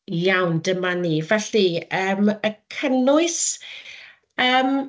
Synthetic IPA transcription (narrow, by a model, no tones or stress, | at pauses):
jawndəmaniːvɛɬiəːməkʰənʊɨs | əːm